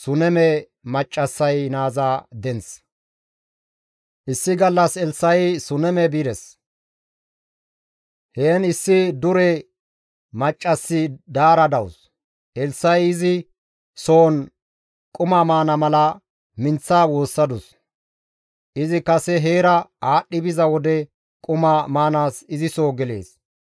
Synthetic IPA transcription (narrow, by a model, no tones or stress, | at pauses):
sʊnɛmɛ | mɐt͡ʃʼːɐsːɐjnaːzaːd̪ɛns | ʔɪsːɪɡɐlːɐsɛlsːɐjsʊnɛmɛbid̪ɛs | heːnɪsːɪd̪ʊɾɛ | mɐt͡ʃʼːɐsːɪd̪aːɾɐd̪ɐws | ʔɛlsːɐjɪzɪ | so̞ːn | kʼʊmaːmaːnɐmɐlɐ | mɪnt͡sːaːwo̞ːsːɐd̪ʊs | ʔɪzɪkɐsɛɦeːɾɐaːɗːɪbɪzɐwɔd̪ɛ | kʼʊmamaːnaːsɪzɪsoːɡɛle̞̰ːs